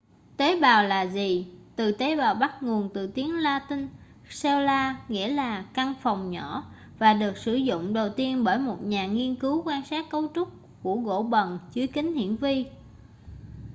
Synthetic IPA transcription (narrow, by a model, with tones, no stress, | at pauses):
t̪e˨˦ɓaː˨˩wlaː˨˩zi˨˩t̪ɨ˨˩t̪e˨˦ɓaː˨˩wɓa˦˥t̚ŋo˨˩nt̪ɨ̰˨˩t̪i˨˦əŋlaː˧t̪ï˧ŋ̟ | sɛ˧wlaː˧ŋḭ˧˥əlaː˨˩ka˧ŋfa˨˩wŋ͡mɲɔ˧˩˨ | vaː˨˩ɗɨ˨˩ək̚sɨ˧˩zʊ̰˧˨ŋ͡mɗə˨˩wt̪i˧ənɓəː˧˩jmo˨˩t̚ɲaː˨˩ŋi˧ənkɨ˨˦wkwaː˧nsaː˦˥t̚kə˨˦wt͡ɕʊ˦˥k͡p̚ | ku˧˩əɣo̰˧˩˥ɓə˨˩nt͡ɕɨ˨˦əjkï˨˦ŋ̟hḭ˧˨ənvi˧